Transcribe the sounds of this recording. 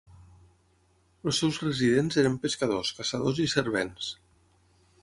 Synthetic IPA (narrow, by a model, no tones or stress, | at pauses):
l̩sːɛwzrəziðenzeɾəmpeskaðoskasaðozisəɾβ̞ens